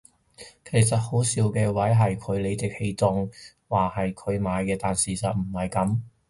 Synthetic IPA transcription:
kʰe˨˩jsɐ˨t̚ho˨˥wsiː˨˥wkɛː˧wɐ˨˥jɦɐ˨jkʰɵ˨˧ɥle˨˧t͡sɪ˨˥k̚he˧jt͡sʊ˨˧ŋ | waː˨hɐ˨jkʰɵ˨˧ɥmaː˨˧jkɛː˧t̪aː˨nsiː˨sɐ˨t̚m̩˨˩hɐ˨jkɐ˨˥m

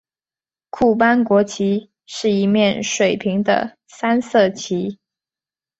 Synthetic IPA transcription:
kʰu˥˩pa˥nkwɔ˧˥t͡ɕʰi˧˥ | ʂɻ̩˥˩i˧˥mjɛ˥˩nʂwe˨˩ɪpʰi˧˥ŋd̪ə̰˧ | sa˥nsɤ˥˩t͡ɕʰi˧˥

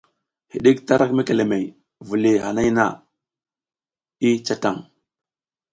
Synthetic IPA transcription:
hḭ˨ɗi˦kta˦ɾʔa˦kme˦ke˨le˨me˨j | vu˨li˨ha˨na˦jna̰˦˨ | i˦t͡ʃa˦ta˦˨ŋ

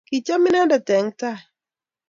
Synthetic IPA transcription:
ki˨t͡ʃa˦mɪ˦na˦nda˨tɛ˨ŋta˦˨

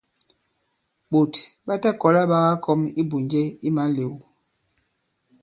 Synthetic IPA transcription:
ɓo˨tɓa˦ta˦kɔ˨˦la˦ɓa˦ɣa˦kʰɔ˦mi˦bu˨nd͡ʒe˦i˦ma˨˦le˨w

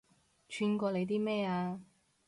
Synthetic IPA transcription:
t͡ʃʰyː˧nkʷɔː˧le˨˧t̪̬iː˥mɛː˥˩aː˧

